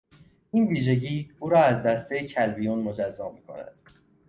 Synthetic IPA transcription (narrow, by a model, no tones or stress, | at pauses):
ʔiːnviːʒe̞ɟiːuːɾɒːæzd̪æst̪ʰejecʰælbijunmod͡ʒæzːɒːmiːkʰo̞̰næ̰d̪̥